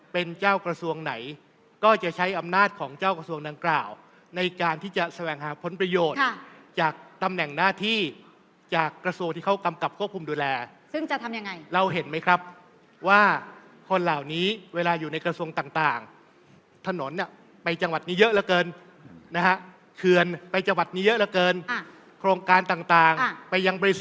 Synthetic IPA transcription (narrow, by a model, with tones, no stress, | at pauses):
pe˧nt͡ɕaː˥˩wkɾa˧su˧əŋna˩˦j | kɔː˥˩t͡ɕa˨˩ʔt͡ɕʰa˦˥jʔa˧mnaː˥˩t̪̚kʰɔː˩˦ŋt͡ɕaː˥˩wkɾa˧su˧əŋdaː˧ŋklaː˨˩w | na˧jkaː˧nt̪ʰiː˥˩t͡ɕa˨˩sa˧wɛː˨˩ŋɦaː˩˦˥pʰo˩˦npɾa˧joː˨˩t̚ʰt͡ɕaː˨˩k̚t̪a˧mnɛ˨˩ŋnaː˥˩t̪ʰiː˥˩ | t͡ɕaː˨˩kːɾa˧su˧əŋt̪iː˥˩kʰwka˧mka˨˩p̚kʰu˥˩əp̚ku˧mduː˧lɛː˧ | sɯ˥˩ŋt͡ɕa˨t̪ʰa˧mja˧ŋa˧jɾa˧wɦe˩˦nma˦˥jkʰɾa˦˥p̚ | waː˥˩ | kʰo˧nlaː˨˩wniː˦˥weː˧laː˧juː˨˩na˧jkɾa˧su˧əŋt̪aː˨˩ŋt̪aː˨˩ŋ | t̪ʰa˧no˩˦nːi˧˥˩ə | pa˧jt͡ɕa˧ŋwa˨˩t̪̚niː˦˥jɤ˦˥ʔlɛ˦˩wkɤː˧n | na˦˥kʰa˦˥ʔ | kʰɯ˧ənpa˧jt͡ɕa˧ŋwa˨˩t̪̚niː˦˥jɤ˦˥ʔlɛ˧˥wkɤː˧n˧ | kʰɾoː˧ŋkaː˧nt̪aː˨˩ŋt̪aː˨˩ŋ˧pa˧jːa˧ŋbɔː˧i˦˥˨